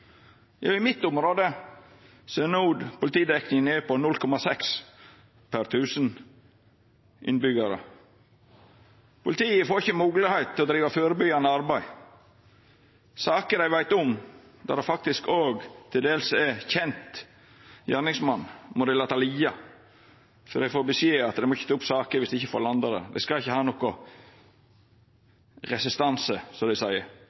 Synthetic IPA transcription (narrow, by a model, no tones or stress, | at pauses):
jɑːɪmɪt̪ːʊmɾoːd̪ə | seːnuːd̪pʊlɪt̪iːd̪ɛknɪŋəneːpɔnʊlkʰɔmɑsɛks | pʰæɾt̪ʰʉːsən | ʔɪ̰nbʏɡɑɾə̰ | pʊlɪt̪iːəfoːɾɪçəmuːɡlɪhæɪt̪ʰːɪlɔd̪ɾiːʋɑføːɾəbʏɡɑnəɑɾbæɪ | sɑːkəd̪æɪʋæɪt̪ɔm | d̪ɑ̰ɾd̪ɛɪfɑk̚t̪ɪskoːɡt̪ʰɪld̪eːlsɛçɛnt̪ | jæːnɪŋsmɑnːmʔɔd̪ɛɪlɑːt̪ɑliːɑ | fɔd̪æɪfoːɾbəsjeːɑt̪d̪ɛmɔɪçːət̪ʰɑːʊpsɑːkəɾʋɪsd̪ɛɪçəfoɾlɑnd̪ɑd̪ə̰d̪ɛ̰skɑɪçːəhɑːnɔkɔ | ɾɛsɪst̪ɑnsəsɔd̪æɪsæɪəɾ